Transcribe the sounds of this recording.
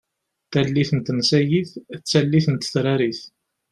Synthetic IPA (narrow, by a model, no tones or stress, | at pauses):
θælːiθənt̪ːmsæjiθt͡sːælːiθənt̪θɾaɾiθ